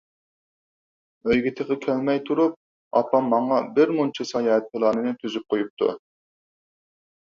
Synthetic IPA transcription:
øjɡʲit̪ʰəqəkʲʰælmɛjt̪ʰuɾup̚ | ɑ̰pɑmːɑɴɑbɪɾmunt͡ʃʰisɑjɑːɛt̪̚pʰɨlˠɑːnɨnɨt̪ʰyzyp̚qʰojup̚t̪ʰṵ

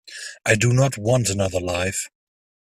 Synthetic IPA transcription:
ʔaɪdənət̚wɒ̃ntənʌðəlaɪf

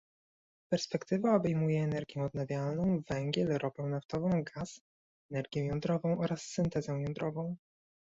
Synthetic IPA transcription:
pɛɾspɛkt̪ɘvaɔbɛjmujɛːnɛɾɡʲjɛ̃ɔd̪̚navʲjalnɔ̃w̃vɛŋɡʲjɛlɾɔbɛ̃w̃naft̪ɔvɔ̃w̃ɡas | ɛnɛɾɡʲjɛ̃jɔnd̪ɾɔvɔ̃w̃ʔɔɾasːɘnt̪ɛzɛ̃w̃jɔnd̪ɾɔvɔ̃w̃

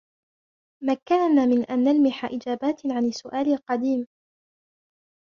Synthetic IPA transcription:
makːanaːmɪnʔanːalmɪħaʔɪd͡ʒaːbaːt̪ʕanɪsːʊʔaːlɪlqɑd̪iːm

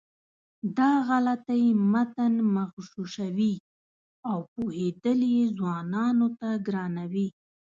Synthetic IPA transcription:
d̪ɑɣalat̪ajmat̪anmaɣʃuʃawi | awpohed̪əljezwɑnɑnot̪aɡɾɑnawi

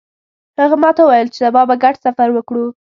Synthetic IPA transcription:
haɣamɑt̪awajəlt͡ʃed̪abɑbaɡaʈsafaɾwəkɽu

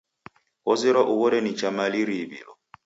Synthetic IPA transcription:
ɔziɾaʔuβɔɾɛnit͡ʃʼamaliɾibḭlɔ

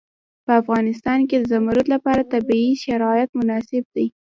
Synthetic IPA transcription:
pəafɣɑnɪst̪ɑnked̪əzamaɾʊt̪lapɑɾat̪abiiʃaɾɑjat̪mʊnɑsɪb̚d̪aj

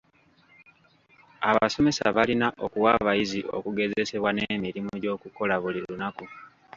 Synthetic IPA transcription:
aβaso̞me̞sa̰βalinaʔo̞kuwaβajiziʔo̞̰kuɡe̞ze̞se̞βwanemiɾimuɟo̞ːkuko̞laβuliɾunaku

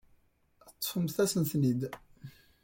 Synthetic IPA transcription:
t̪ˤːfəmθæsənθnid̪

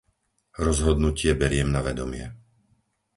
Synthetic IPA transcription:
ɾɔzɦɔd̪nucɪɛbɛɾɪɛmnaʋɛd̪ɔmɪɛ

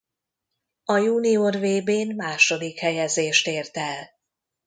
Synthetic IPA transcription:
ɒjuːniorveːbeːnmaːʃo̞d̪ikhɛjɛzeːʃt̪eːrt̪ɛl

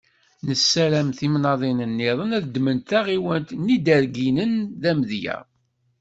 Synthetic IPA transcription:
nəsːælæmθimnɑðˤinənːɪðˤənæðəd̪ːmənt̪æʁiwənt̪nid̪æɾɡinənðæməðjæ̰ʁ

